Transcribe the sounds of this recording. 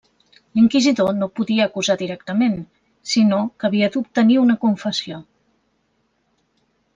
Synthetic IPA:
liŋkizit̪onopuðiəːkuzaðiɾɛkt̪əmen | sinokəβ̞iət̪up̚t̪əniunəkuɱfəsio

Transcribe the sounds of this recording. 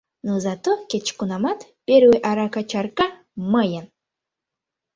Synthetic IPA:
nozat̪okʲet͡ʃkunamat̪pʲeɾweʔaɾakat͡ʃarka | məjən

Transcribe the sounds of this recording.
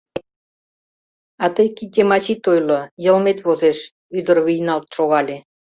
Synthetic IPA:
ɑt̪əjkit̪ʲːemɑt͡ɕit̪ojlŏjə̆lmet̪βozeʃ | yd̪ə̆rβijnɑlt̪ʃoɣɑlʲe

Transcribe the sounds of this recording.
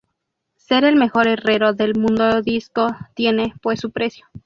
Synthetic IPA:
se̞ɾe̞lme̞xo̞ɾe̞re̞ɾo̞ðe̞lmũnd̪oðiskot̪je̞ne̞pwesupɾe̞sjo̞

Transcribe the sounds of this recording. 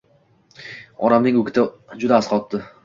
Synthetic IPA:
ɒɾamnɪŋʊkʲʰɪt̪ʰɪ | d͡ʒʊd̪aːsqɒt̪ːɪ

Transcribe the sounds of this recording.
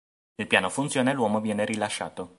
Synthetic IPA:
ilpjaːnofunt̪sjoːnelwɔːmovjɛːneɾilaʃːa̰ːt̪o

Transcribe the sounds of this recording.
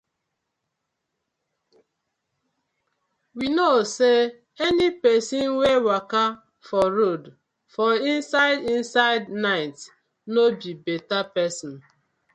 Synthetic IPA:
winose | ɛnipɛsinwewaka | fɔɾod | fɔin̩saɪdin̩saɪdnaɪt | nobibetapɛsɔ̃n̩

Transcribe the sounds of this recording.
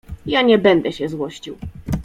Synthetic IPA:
jaɲɛbɛnd̪ɛɕɛzwɔɕt͡ɕiw

